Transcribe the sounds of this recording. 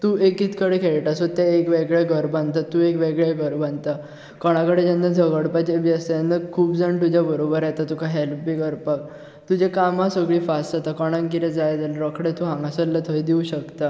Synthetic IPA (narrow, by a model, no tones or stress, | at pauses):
t̪uːʔekit̪kəɽekʰeɭʈasot̪ːjaekʋeɡɭaɡʱəɾbãnt̪at̪ːuekʋeɡɭjaɡʱəɾbant̪a | kɔɽ̃ãkəɽed͡ʑanːad͡zʱəɡəɽpat͡ɕeʋjəst̪janːəkʰuːbd͡zəɳt̪ud͡ʑjabəɾobəɾjɛt̪at̪ukʰaɦɛlpbiɡəɾpak̚ | t̪ud͡ʑekamãsəɡɭiːfast̪at̪akɔɽ̃ãŋkiɾẽd͡zajd̪əlɾəkʰɽet̪uɦãŋɡasəlːət̪ʰəjd̪iũɕəkt̪a